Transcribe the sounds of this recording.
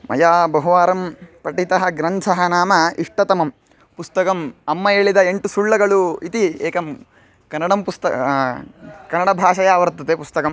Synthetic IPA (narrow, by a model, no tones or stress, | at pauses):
mɐ̰jaːbɐɦuʋaːɾɐmpɾɐʈit̪ɐɦɐɡɾɐnt͡ʃʰɐɦɐnaːmɐiʂʈɐt̪ɐmɐm | pust̪ɐkɐmɐmːɐeːɭid̪ɐeɳʈusuɭːɐɡɐɭuit̪ieːkɐm | kɐnːɐɽɐmpust̪ɐ | kɐnːɐɽɐbʱaːʃɐjɐːʋɐɾt̪ːɐt̪epust̪ɐkɐm